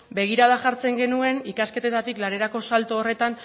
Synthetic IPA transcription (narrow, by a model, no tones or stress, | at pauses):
be̞ɣ̞iɾaðaʝaɾt͡se̞ŋɡe̞nue̞nikaske̞t̪et̪at̪iklaɾe̞ɾako̞salt̪oːre̞t̪an